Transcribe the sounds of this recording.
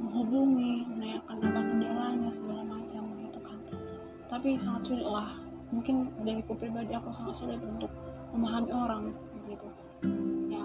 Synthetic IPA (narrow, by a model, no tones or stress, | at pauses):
məŋɦubuŋimənajakanapat̪̚bəndalaɲasəɡalamat͡ʃamɡit̪ukan | t̪apisaŋat̪̚sulɪt̪̚lah | muŋkɪndaɾikupɾibadiakusaŋat̪̚sulɪt̪unt̪ʊk̚məmaɦamioɾaŋbəɡit̪u | ja